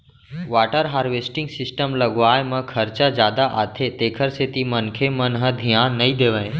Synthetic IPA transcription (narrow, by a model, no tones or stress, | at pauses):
ʋaːʈəɾɦaːɾʋesʈɪ̃ŋɡsɪsʈəmləɡʋaːjmə̃kʰəɾt͡ʃad͡ʒjaːd̪aʔaːt̪ʰet̪eːkʰəɾset̪imənkʰemənɦəd̪ʱijãːnːəid̪eːʋə̃ẽ